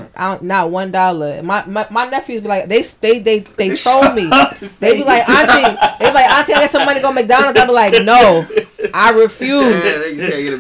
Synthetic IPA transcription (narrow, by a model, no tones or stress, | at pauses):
ʔã̰nət̚wʌ̃ndɑlˠə̰˞maɪmaɪmaɪnɛfjʉzbilaɪk̚ðeɪsðeɪðeɪðeɪtʰɹ̥oʊmiðeɪbilaɪkãntiðeɪwilaɪkãntʰĩaɡɛtsʌ̃mʌniɡoʊmeɪk̚d̥ãʊ̃nɨ̃ðeɪbilaɪk̚noʊʔaɪɹɪfjuz